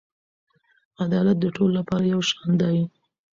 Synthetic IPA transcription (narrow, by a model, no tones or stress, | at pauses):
ad̪ɑlat̪̚d̪əʈʰololapɑɾajawʃɑnd̪ɑji